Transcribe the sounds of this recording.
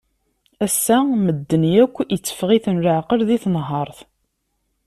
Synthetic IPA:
æsːæməd̪ːənjækʷːət͡sːə̥fʁiθənləʕqəɾðiθnɦɑɾˤθ

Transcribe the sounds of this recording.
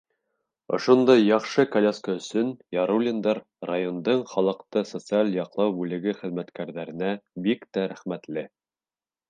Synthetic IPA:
ŏ̰ʃond̪ɑjːɑχʃɤkɐlʲeskəɵ̆sɵnjɑɾulʲɪnd̪ɑɾ | rajo̞nd̪ɤɴχɑlˠɤ̆qt̪ɤsot̪sɨalʲjɑqlˠɑwbʉlɘ̆ɡɘχɘ̆ðmæt̪kæɾðæɾɘ̆næbikt̪æɾæχmæt̪lɘ

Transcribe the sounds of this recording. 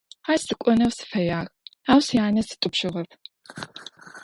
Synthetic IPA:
aːstɨkʷʼɔnɐwsɨ̥fɐjaːxaːwsjaːnɐsɨ̥tʼʊpʃɪʁɐpʰ

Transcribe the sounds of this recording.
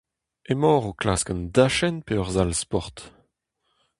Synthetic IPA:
emɔːʁoklaːskand̪aʃɛnpeœʁzalspɔʁt̪

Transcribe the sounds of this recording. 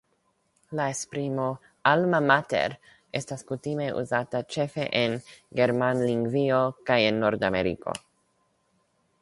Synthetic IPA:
laespɾimo | almamat̪ḛɾ | est̪askut̪imeʔṵzat̪at͡ʃefeʔenɡeɾmanliŋɡviokajenːoɾd̪ameɾḭko̰

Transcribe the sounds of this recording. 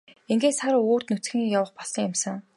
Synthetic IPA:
iŋɡeːt̪saɾoːr̥t̪nut͡sɡɘ̆ŋijawə̆χpɔɮɞ̆ŋʊmsə̆ŋ

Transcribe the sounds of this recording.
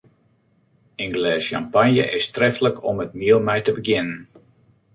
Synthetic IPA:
ɪnɡlɛːsjampanjə̰ʔɪstrɛftləkʰɔmət̚miəlˠmɛjtəbəɡjɪnən

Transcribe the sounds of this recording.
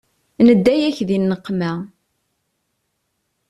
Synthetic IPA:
nəd̪ːæjæçðinːəqːmæ

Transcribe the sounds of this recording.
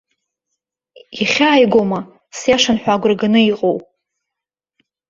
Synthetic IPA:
iχʲaːjɡʷoma | sjaʂanħʷᶣaɡʷraɡanɨiqʼowpʼ

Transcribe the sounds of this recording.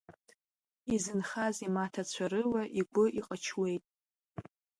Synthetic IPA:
izɨnχazimatʰat͡ɕʷʰaɾɨwaʔiɡʷʊʔiqʼət͡ʃʰwe̞jtʼ

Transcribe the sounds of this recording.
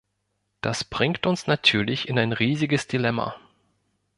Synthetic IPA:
d̥asb̥ʁ̥ɪŋktʊnsnatʰyːɐlɪçɪnaɪnʁiːzɪɡəsd̥ilɛma̰

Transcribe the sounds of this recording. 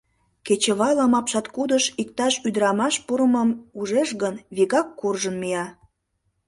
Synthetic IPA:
ket͡ɕəβɑləmɑpʃɑt̪kud̪əʃikt̪ɑʃyd̪əɾɑmɑʃpuɾəməmuʒeʃɣənβiɣɑkːurʒənmijɑ

